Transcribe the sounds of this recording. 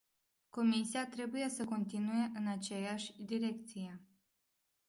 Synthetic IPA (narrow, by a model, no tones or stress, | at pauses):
ko̞misiat̪ɾe̞buje̞səko̞nt̪inuje̞ʔɨnat͡ʃejaʃʲd̪iɾe̞kt̪sije̞